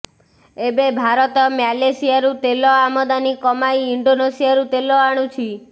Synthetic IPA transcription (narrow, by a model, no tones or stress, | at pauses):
ebebʱaɾɔt̪ɔmjalesijaɾut̪elɔamɔd̪anikɔmajiɳɖonesijaɾut̪elɔaɽ̃ut͡ʃʰi